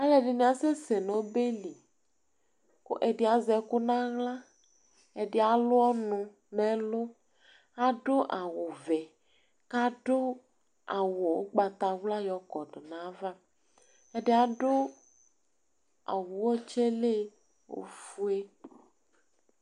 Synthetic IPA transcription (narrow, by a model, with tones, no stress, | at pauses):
a˦le˨ɖe˨nẽ˨˦a˨se˦se˨nɔ̃˨˦be˦li˨ | ko̰˦ʔe˨ɖe˨a˨zɛ˨ko˦nã˦ɣla˦ | e˨ɖe˦a˨lʊ˦ɔ˦nũ˨ | nɛ̃˦lo˦ | a˦ɖo˦ʔa˨wo˨vɛ˨ | ka˦ɖo˦ | a˨wo˨wo˦ɡ͡ba˨t̪a˨wla˦jɔ˨kɔ˨ɖo˨nã˦va˦ | ɛ˦ɖe˦a˨ɖo˦ | a̰˨wu˨wɔ˦t͡ʃe˦le˦ | wo̰˨fu˦e˦